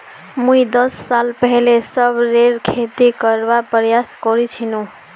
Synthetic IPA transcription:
muid̪ʌsːalpəɦilesʌbɾeɾkʰet̪ikəɾbapɾəjaskɔɾit͡ʃʰinũ

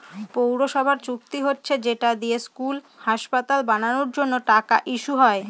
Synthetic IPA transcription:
powɾoʃɔbʱaɾt͡ɕuk̚t̪iɦotːɕʰed͡ʑeʈad̪ijeskul | haʃpat̪albananoɾd͡ʑonːoʈaka̰ʔiʃuɦɔe

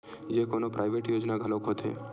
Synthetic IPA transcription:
d͡ʒekonopɾʔajʋeʈjod͡ʒnaɡʱəlokʰot̪ʰḛ

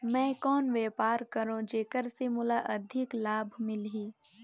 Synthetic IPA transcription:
mɛ̃ːkɔːnʋɛːpaːɾkəɾõd͡ʒeːkəɾsemʊlaʔɐd̪ʱɪklaːbʱmɪlɦiː

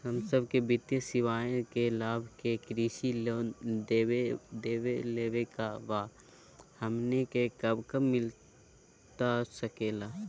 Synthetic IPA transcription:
ɦəmsəb̚kebɪt̪jəsɪʋaːjõkelaːbʱkekɾiːʃid̪eed̪eːʋeleːʋekaʋaː | həmnekekəbkəmɪl | t̪asəkeːlaː

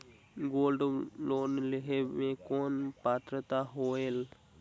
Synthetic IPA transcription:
ɡolɖlonleɦemẽkonpat̪ɾət̪aɦoel

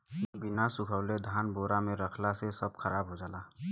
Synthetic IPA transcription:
binasʊkʰəʊled̪ʱaːnboːɾamẽɾəkʰlasesəb̚kʰəɾaːbɦod͡ʒaːlaː

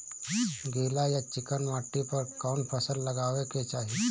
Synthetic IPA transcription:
ɡeːlajat͡ʃɪkənʋaːʈːipəɾkawɳpʰəsəlːəɡaːʋeket͡ʃaːɦi

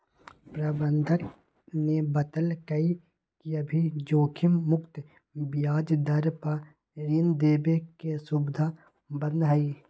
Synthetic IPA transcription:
pɾɐbə̃nd̪ʱək | nebət̪əlkɐi | kiɐbʱid͡ʒoːkʰɪmːʊkt̪ | bɪjaːd͡ʒd̪ɐɾpa | ɾind̪eːbekesʊbd̪ʱa | bə̃nd̪ɦaiː

